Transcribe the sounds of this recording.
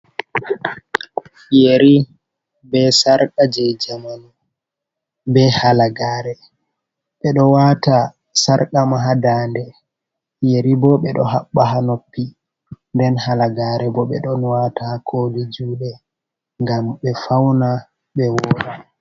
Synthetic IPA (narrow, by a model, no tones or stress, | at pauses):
jeɾi | bɛsaɾkad͡ʒɛjd͡ʒaman | bɛhalaɡaːɾɛ | ɓɛɗɔwata | saɾkamaɦadaːndɛ | jeɾibɔɓɛɗɔɦaɓːaɦanopːi | ndɛnhalaɡaɾɛbɔɓɛ̰ɗɔnwatakʰolid͡ʒuːɗɛ | ŋɡamɓɛfawna | ɓɛwɔːɗa